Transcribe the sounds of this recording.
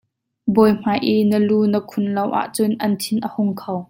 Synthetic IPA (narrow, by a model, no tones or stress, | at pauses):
bɔːjm̥aːjʔinəluːnəkʰʊnlɐwʔa̰ʔt͡sʊnʔɐnt̪ʰɪnʔəhʊŋkʰow